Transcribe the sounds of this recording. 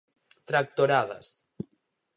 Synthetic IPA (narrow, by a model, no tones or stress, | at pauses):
t̪ɾak̚t̪oɾaða̰s